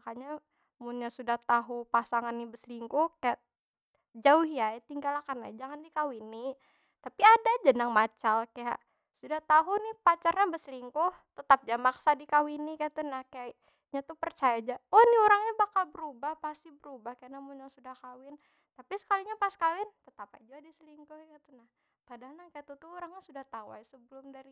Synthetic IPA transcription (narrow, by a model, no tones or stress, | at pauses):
akaɲa | munɲasudaht̪aɦupasaŋanːibəsliŋkukaja | d͡ʒaʊhjat̪iŋɡalakanad͡ʒaŋandikawini | t̪apiadad͡ʒənaŋmat͡ʃalkaja̰ʔ | sudaht̪aɦunɪpat͡ʃarɲabəsliŋkʊht̪ət̪ap̚d͡ʒamaksadikawinikajt̪unahkaa | ɲat̪upərt͡ʃajad͡ʒaɔniuɾaŋɲabakalbəɾubahpast̪ibəɾubahkajaʔnamuɲasudahkawɪn | t̪apisə̥kaliɲapaskawɪnt̪ət̪apa̰d͡ʒuadisəliŋkʊhkat̪unah | padaɦalnakajat̪ut̪uuɾaŋɲasudaht̪aua̰jsəbəlʊmdaɾi